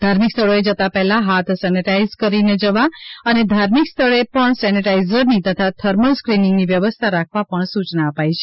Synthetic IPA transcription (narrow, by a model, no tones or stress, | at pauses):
d̪ʱaɾmikst̪ʰəɭoed͡ʒət̪apɛɦlaɦat̪ʰsɛniʈaizkəɾined͡ʒəʋaəned̪ʱaɾmikst̪ʰəɭepəɳsɛniʈaizəɾnit̪ət̪ʰat̪ʰəɾməɭskɾinɪŋɡniʋjəʋəst̪ʰaɾakʰʋapəɳsut͡ʃnaəpajt͡ʃʰe